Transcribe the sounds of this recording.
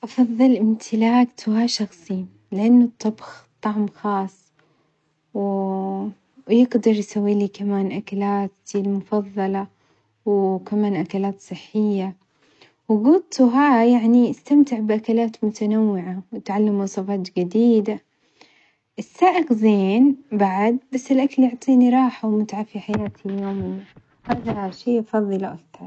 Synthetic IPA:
ʔɑfɑðˤːɨlʔɪmt̪ʰɪlaːɡt̪ʰʊɦaʃɑxsˤi | lɪʔanːʊt̪ˤːɑbxt̪ˤːɑʕmxɑːsˤ | w | jɪɡd̪ɑɾˤjsawːiːliːkamaːnʔakalaːt̪ɪlmʊfɑðˤːɑlɑ | wkamaːnʔakalaːt̪sˤɨħːɪjːa | wɡʊt̪uɦaːjaʕniʔɪst̪amt̪ɪʕbʔakalaːt̪mʊt̪anawːɪʕawɪt̪ʕalːamwsˤɑfɑːt̪d͡ʒɪd̪iːd̪a | ʔɪsːaːʔɪqzeːnbaʕd̪̚basːɪlʔakaljʊʕt̪ˤiːniɾˤɑːħawmʊt̪ʕafiħajɾaːt̪ʰiljoːmɪjːa | haːðaʃiːʔɑfɑðˤːɨlʔakt̪ɑɾˤ

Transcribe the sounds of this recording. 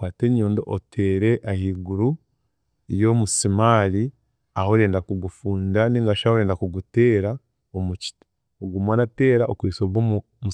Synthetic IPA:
waːteɲoːndoʔotʰeːɾe̞ʔahiːɡuɾu | ijo̞musimaːli | aho̞ɾe̞ːndakuɡufuːndaniŋɡaʃahoɾeːndakuɡuteːɾa | omuci̥ti̥ | oɡumwanateːɾaokuisoβwomu | mu

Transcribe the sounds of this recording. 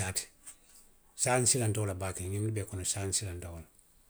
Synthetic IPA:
aːti̥ | saːnsilantawlabaːkɛ̃ɲindubɛːkɔnɔsaːnsilãntawɔla

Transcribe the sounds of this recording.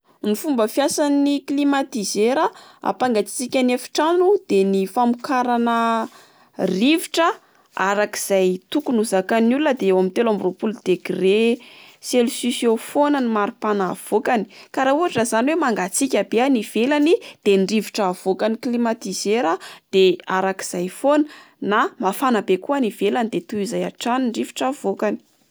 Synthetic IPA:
nifumbəfjasaniklimat̪izeɾəa̰paŋɡat͡si̥t͡sikʲanafi̥ʈ͡ʂanud̪̥enifamukaɾanə | riviʈ͡ʂə | aɾaki̥z̥ajt̪ukunuzakanululnəd̪eewamit̪elamiropuld̪̥eɡreselsisjofonanimaɾipanav̥okani̥kaɾauɦaʈ͡ʂəzaniwemaŋɡat͡sikʲabeaniv̥elanid̪̥enɖ͡ʐiviʈ͡ʂav̥okaniklimat̪izeɾad̪̥eaɾaki̥z̥ajfonə | namafanabekuaniv̥elanid̪et̪uizajaʈ͡ʂaniɳɖ͡ʐivi̥ʈ͡ʂav̥okani̥

